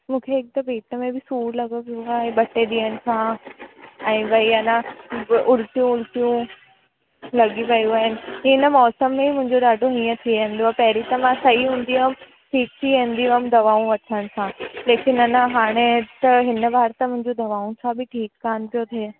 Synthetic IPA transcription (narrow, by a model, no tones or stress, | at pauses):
mũːkʰeɪk̚t̪ɐbeːʈəmẽbɪsuːɾlɐɡəpiũaːɦeɓɐʈeɗiːəñɪ̆sʰã | ɛ̃ːʋɐiɐnãʔʊɾt̪jũʊɾt̪ijũ | lɐɠiʋɐjũaːɦɪnɪ̆ɦɪnəmɔːsəmːẽmʊ̃ɦɪ̃ɲd͡ʑoɗaːɖʱoɦĩːə̃t̪ʰiʋẽɦɪ̃n̆d̪oaːepɐɦɪɾit̪ɐmãsɐiɦũːnd̪iɦm | ʈʰiːk̚t̪ʰiẽːn̆d̪iəmd̪ɐʋaːũʋɐʈʰəɽ̃ɪ̆sʰãleːkɪnɐnaɦaːɽ̃et̪ɐɦɪnəʋaːɾt̪əmʊ̃ɦɪ̃ɲd͡ʑod̪ɐʋaːũsʰãbɪʈʰiːkːaːnɪ̆pʰijot̪ʰie